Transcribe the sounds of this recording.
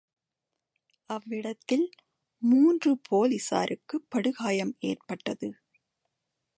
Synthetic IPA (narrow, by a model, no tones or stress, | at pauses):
ʔɐʋːɪɽɐt̪ːɪl | muːndrɯpʰoːlisa̰ːɾʔɯkːɯpːɐɽɯɣaːjɐmḛːrpɐʈːɐðɯ